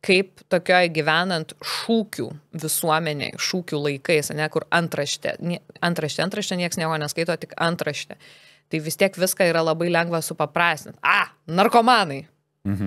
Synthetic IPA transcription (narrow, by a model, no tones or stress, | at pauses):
kɐɪp̚t̪oːkʲoːjɡʲɪʋʲæːnɐnt̪ʃuːkʲṵːʋʲɪsuɔmʲɛnʲḛɪʃuːkʲuːlˠɐɪkɐɪsɐnʲɛkʊɾɐnt̪ɾɐʃʲt̪ʲɛ̰nʲiɛɐnt̪ɾɐʃʲtʲɛɐnt̪ɾɐʃʲt̪ʲɛnʲiɛksnʲiɛkoːnʲɛskɐɪt̪oːt̪ʲɪkɐnt̪ɾɐʃʲt̪ʲɛ | t̪ɐɪʋʲɪst̪ʲiɛkʋʲɪskɑiːɾɐlˠɐbɐɪlʲɛŋɡʋɐsʊpɐpɾɑːsʲt̪ʲɪnt̪ɑː | nɐrkoːmɑːnɐɪ | m̩